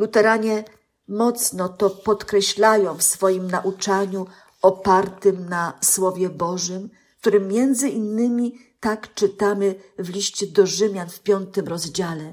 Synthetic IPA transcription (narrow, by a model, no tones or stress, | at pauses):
lut̪ɛɾaɲɛ | mɔt̪snɔt̪ɔpɔt̪kɾɛɕlajɔ̃w̃fsfɔjimnaʔut͡ʂaɲu | ɔpaɾt̪ɘmnaswɔvʲjɛbɔʐɘm | k̚t̪uɾɘmːjɛnd̪zɘʔinːɘmʲi | t̪akt͡ʂɘt̪amɘvlʲiɕt͡ɕɛd̪ɔʐɘmʲjanfpʲjɔnt̪ɘmɾɔzd͡ʑalɛ